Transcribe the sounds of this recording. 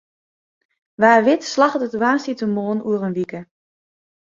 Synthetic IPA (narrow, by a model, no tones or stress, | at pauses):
ʋaːrʋɪtslaxətətwaːnsitəmoːnuərənʋikə